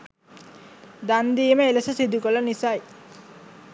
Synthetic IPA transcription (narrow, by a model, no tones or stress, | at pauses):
d̪and̪ijməelesəsid̪ukolənisaj